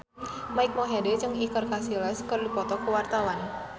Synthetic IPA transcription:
maik̚mɔɦedɛt͡ʃəŋikərkasilaskərlipɔt̪ɔkəwart̪awan

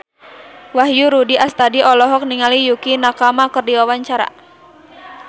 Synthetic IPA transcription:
waɦjuɾudiʔast̪adiɔlɔɦɔk̚niŋalijukinakamakərdiwawaɲt͡ʃaɾa̰

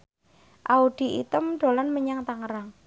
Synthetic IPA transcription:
ʔauɖ̥i̤ʔḭt̪əmɖ̥o̤lanməɲaŋt̪aŋəɾaŋ

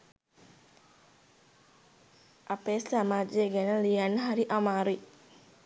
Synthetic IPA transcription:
ʔapeːsamaːd͡ʒeɡɛnəlijanːəɦɐɾiʔamaːɾui

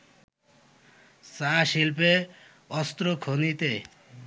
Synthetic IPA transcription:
saʃilpe | ɔst̪ɾokʰonit̪e

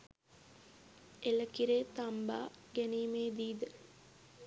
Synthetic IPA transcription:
eləkiɾeːt̪amba̰ːɡɛniːmeːd̪iːd̪ə

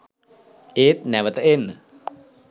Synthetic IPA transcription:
eːt̪̚næʋət̪əenːə

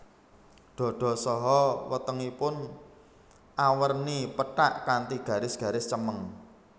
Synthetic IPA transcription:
ɖ̪̥ɔ̤ɖ̪̥ɔ̤sɔɦɔwət̪əŋipʊn | ʔawərnipəʈaʔkant̪iɡ̥ä̤ɾɪsɡ̥ä̤ɾɪst͡ʃəməŋ

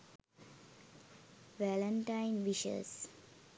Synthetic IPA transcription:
ʋɛlə̃ɳʈãɪ̃nʋiʃə̰s

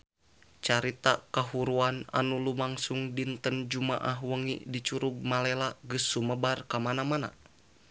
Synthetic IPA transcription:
t͡ʃaɾit̪akaɦuɾuana̰nulumaŋsuŋdint̪ənd͡ʒumaʔaɦwəŋḭdit͡ʃuɾuɡ̚malɛlaɡɨsːuməbarkamanamana̰

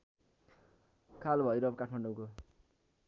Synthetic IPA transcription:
kʰalbʱʌjɾʌbʌkaʈʰmaɳɖowko

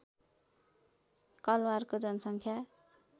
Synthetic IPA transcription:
kʌlwarkod͡zʌnʌsʌŋkʰja

